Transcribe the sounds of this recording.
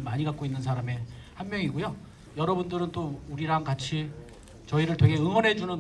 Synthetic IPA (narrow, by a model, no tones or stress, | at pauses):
maɲiɡak͈oinːɯnsʰaɾame̞hanmjʌŋiɡojo | jʌɾʌbundɯɾɯnt͈ouɾiɾaŋkat͡ɕʰi | t͡ɕʌiɾɯɭtweŋɦe̞ɯŋwʌnɦe̞d͡ʑunɯn